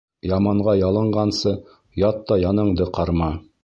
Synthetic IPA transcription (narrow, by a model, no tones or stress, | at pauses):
jɑmɑɴɢɑjɑlˠɤ̆ɴɢɑnsɤ | jɑt̪ːɑjɑnɤ̆ɴd̪ɤqʰɑɾmɑ